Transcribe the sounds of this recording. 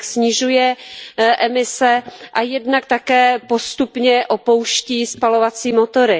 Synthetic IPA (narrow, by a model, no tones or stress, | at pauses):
ksɲɪʒujɛʔɛmɪsɛʔajɛdnak̚t̪akɛːpo̞st̪upɲɛʔopo̞wʃciːspalovat͡siːmot̪o̞ɾɪ